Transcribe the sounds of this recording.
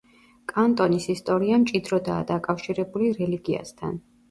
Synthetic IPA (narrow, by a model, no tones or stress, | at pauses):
kʼant̪ʼɔnisist̪ʼɔɾiamt͡ʃʼid̪ɾɔd̪aːd̪akʼafʃiɾɛbuliɾɛliɡia̰st̪ʰa̰n